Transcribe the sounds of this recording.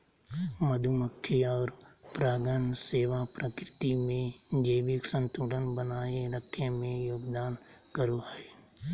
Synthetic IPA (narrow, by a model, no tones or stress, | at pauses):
məd̪ʱuməkʰːiɔːɾ | pɾaːɡənseːʋapɾəkɾɪt̪imẽd͡ʒəːbɪksə̃nt̪uːlənbənaːeɾəkʰːemẽjoːɡd̪aːn | kəɾoɦɛː